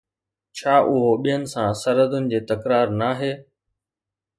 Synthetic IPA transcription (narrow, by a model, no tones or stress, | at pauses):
t͡ɕʰaːʔʊɦoɓijənɪ̆sãsɐɾəd̪ʊnɪ̆d͡ʑeːt̪ɐkɾaːɾnaːɦeː